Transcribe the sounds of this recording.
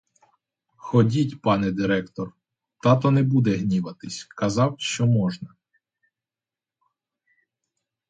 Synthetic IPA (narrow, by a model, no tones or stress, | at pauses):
xɔdʲitʲpɑnɛd̪ɪɾɛkt̪ɔr | t̪ɑt̪ɔnɛbud̪ɛɦnʲiʋɐt̪ɪsʲkɐzɑwʃt͡ʃɔmɔʒnɐ